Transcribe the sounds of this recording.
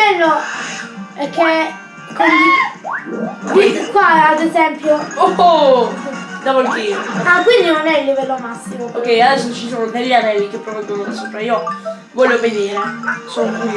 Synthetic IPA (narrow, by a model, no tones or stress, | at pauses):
ɛlːo | ɛkʰːe | koni | ikwaad̪ezɛmpjooo | d̪avolt̪iakwind̪inonɛilːivɛlːomasːimookːɛjad̪ɛsːot͡ʃisonod̪elːanɛlːik̟epɾovɛɡonod̪asuːpɾaiːo | vɔʎːoveniːɾeson